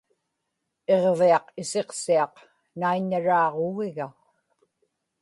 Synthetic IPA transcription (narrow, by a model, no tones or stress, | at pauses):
e̞ʁveɑqɪse̞qsiɑq | naiɲːaɻɑːʁoɣɪɣa